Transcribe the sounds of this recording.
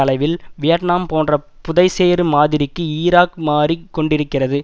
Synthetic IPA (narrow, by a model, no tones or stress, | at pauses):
ɐlɐɪʋɪlʋɪjɐʈnaːmpoːndrɐ | pʊðɐɪseːɾɯmaːðɪɾɪkːɯiːɾaːkmaːrikːɔɳɖɪɾɯkːɪrɐðɯ